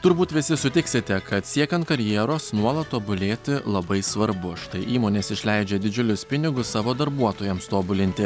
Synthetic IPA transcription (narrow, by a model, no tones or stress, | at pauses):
t̪ʊɾbuːt̪ʋʲɪsʲɪsʊt̪ʲɪksʲɪt̪ʲɛkɐt̪sʲiɛkʲɛnt̪kɐɾʲjiɛɾoːsnuɔlˠɐt̪t̪ːoːbʊlʲeːt̪ʲɪlˠɐbɐɪsʋɐɾbʊʃt̪ɐɪʔiːmoːnʲeːsɪʃʲlʲɛɪd͡ʒʲɛd̪ʲɪd͡ʒʲʊlʲʊspʲɪnʲɪɡʊssɑːʋoːd̪ɐɾbuɔt̪oːjɛmst̪oːbʊlʲɪnʲt̪ʲɪ